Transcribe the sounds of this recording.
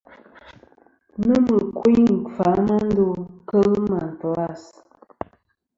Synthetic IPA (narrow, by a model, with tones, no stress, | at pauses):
nə˦mə˨kwi˦ŋ̩˨fa˨˦na˦n̩˦do˦kə˦ɣma˨n̩˨tɔ˨a˦˨s